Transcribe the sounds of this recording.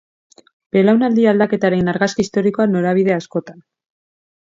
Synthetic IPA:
b̥e̞lawnald̪iald̪ake̞t̪aɾe̞naɾɣaskiist̪o̞ɾiko̞ano̞ɾaβ̞iðe̞asko̞t̪an

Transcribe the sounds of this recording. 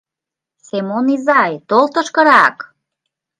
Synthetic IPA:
semonizɑjt̪olˠt̪ə̆ʃkə̆ɾɑk

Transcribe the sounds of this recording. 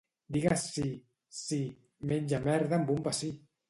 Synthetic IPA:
d̪iɣasi | si | menʲd͡ʒamɛɾðambumbasi

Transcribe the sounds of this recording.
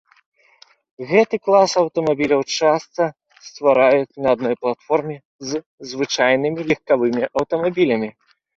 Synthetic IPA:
ɣɛt̪ɨklˠasɐwt̪ɐmabʲilʲɐwt͡ʂast̪sɐ | st̪vaɾajut͡sʲnɐːd̪̚nɔjplˠat̪fɔrmʲɛ | z | zvɨt͡ʂajnɨmʲilʲixkavɨmʲiʔɐwt̪ɐmabʲilʲɐmʲi

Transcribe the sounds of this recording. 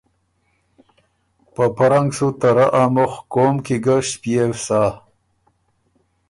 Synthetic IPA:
pəpaɾaŋɡsut̪aɾaʔamoχkomkiɡaʃpiefsaː

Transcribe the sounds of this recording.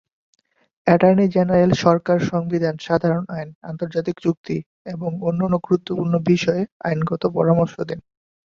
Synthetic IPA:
ɛʈajnid͡ʑenaɾelʃɔɾkaɾʃɔŋbid̪ʱanʃad̪ʱaɾonajna̰nt̪oɾd͡ʑat̪ikd͡ʑuk̚t̪i | eboŋonːanːoɡɾut̪ːopuɾnobiʃɔea̰jnɡɔt̪opɔɾamoɾʃod̪en

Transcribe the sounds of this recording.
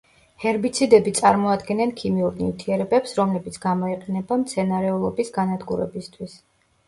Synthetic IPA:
hɛɾbit̪sʰid̪ɛbit̪sʼaɾmɔad̪ɡɛnɛnkʰimiuɾnḭvt̪ʰiɛɾɛbɛpsɾɔmlɛbit̪sʰɡamɔiqʼɛnɛbamt̪sʰɛnaɾɛulˠɔbisɡanad̪ɡuɾɛ̰bist̪ʰwis

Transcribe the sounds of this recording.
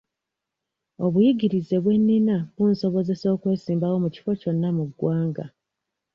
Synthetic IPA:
o̞βujiɡiɾize̞βwe̞nːinaβunso̞βo̞ze̞so̞ːkwe̞ːsiːmbawo̞muci̥fo̞co̞nːamuɡwaːŋɡa̰

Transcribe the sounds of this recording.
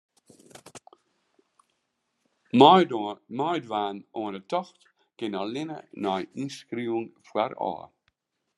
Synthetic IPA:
majdvaːnɔːnətʰɔxt | ɡ̥ɪnalɪnə̰nɔjinskɾiŋfwɛɾɔ̰ː

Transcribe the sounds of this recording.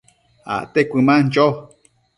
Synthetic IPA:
a̰ʔt̪ekʷɨmãnd͡ʒo

